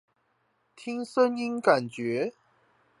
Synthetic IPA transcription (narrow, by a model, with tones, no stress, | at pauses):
t̪ʰi˦ŋsə˦ni˦nka˨˩nt͡ɕɥɛ˨˦